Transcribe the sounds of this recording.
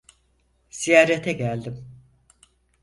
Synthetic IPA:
z̥ijaːɾet̪ʰɛɟælʲd̪im

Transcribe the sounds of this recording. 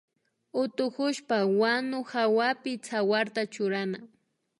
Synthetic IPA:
ʊt̪ʊkʊʃpawanʊxawapɪt͡sʰawaɾt̪at͡ʃʊɾana

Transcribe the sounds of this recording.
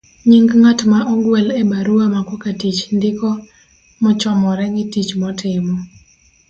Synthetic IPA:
ɲiŋɡŋatmaʔɔɡwɛlɛbaɾuamakokatit͡ʃndɪkɔ | mɔt͡ʃɔmɔɾɛɡɪtit͡ʃmɔtʰɪmɔ

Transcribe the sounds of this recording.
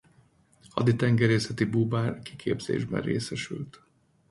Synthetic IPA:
hɒ̰d̪it̪ɛŋɡɛɾeːsɛt̪ibuːbaːrkikʰeːbz̥ḛːʒbɛ̰reːsɛʃylt̪

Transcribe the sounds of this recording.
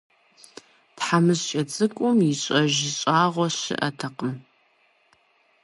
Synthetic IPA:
tħamɨzt͡ʃʼɐt͡sʼɨkʷʼʊmjɪɕʼɐʒɪɕʼaːʁʷɔɕɪ̰ʔɐ̰tʰɐqəm

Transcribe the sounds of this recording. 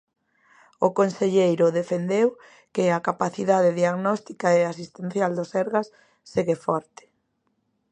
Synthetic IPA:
ʊkonseʎejɾʊðefend̪ew | kɪakapaθiðaðeðiaɣnɔst̪ikaeasist̪en̟θjald̪osɛɾɣasː | eɣefɔɾt̪ɪ̥

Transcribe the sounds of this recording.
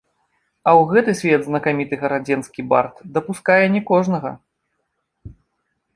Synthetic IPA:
ɐwɣɛt̪ɨsʲvʲɛd̪znɐkamʲit̪ɨɣɐɾad͡zʲɛnskʲiba̰rt̪d̪ɐpuskajɛnʲɛkɔʐnɐɣɐ̰

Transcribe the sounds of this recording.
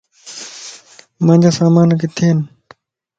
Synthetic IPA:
mãːd͡ʑaːsaːmaːnket̪ʰiːn

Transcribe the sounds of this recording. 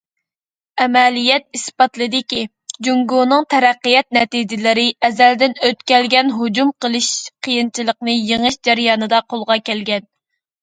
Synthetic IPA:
ɛmɛlijɛt̪̚ispɑt̪lˠɨd̪ɪkʲi | d͡ʒuŋɡunɨŋt̪ʰɛɾæqːɨjɛt̪̚nɛt̪id͡ʒɪlɪɾɪʔɛzæld̪ɪnøt̪kʲɛlɡʲɛnɦod͡ʒumqəlˠɨʃqʰəjint͡ʃʰilˠəqnɨjeŋɨʃd͡ʒæɾjɑːnɨd̪ɑqʰolˠʁɑkʲɛlɡʲɛn

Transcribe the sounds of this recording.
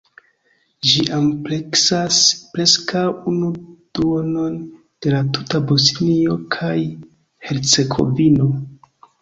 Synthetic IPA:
ʒiʔampleksaspɾe̞skʰawunud̥uono̞n | d̥e̞latutabo̞snio̞kʰaj | he̞ɾt͡se̞ɡo̞̰vino̞

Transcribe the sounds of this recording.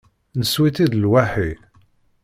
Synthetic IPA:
nəswiθiðlwaħi

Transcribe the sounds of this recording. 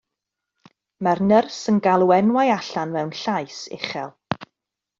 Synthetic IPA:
marnərsənɡalˠuɛnwajaɬanvɛwnɬajsɪ̰χɛlˠ

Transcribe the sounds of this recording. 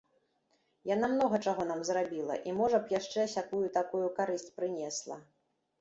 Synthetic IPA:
jan̪amnɔɣɐt͡ʂaɣɔnamzɾabʲilˠɐ̰ʔimɔʐɐpjaʂt͡ʂɛsʲakujut̪akujukaɾɨsʲt͡sʲpɾɨnʲɛslˠɐ̰

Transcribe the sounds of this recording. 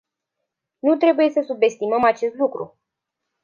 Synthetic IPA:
nut̪ɾe̞buje̞səsube̞st̪iməmat͡ʃe̞st̪lukɾṵ

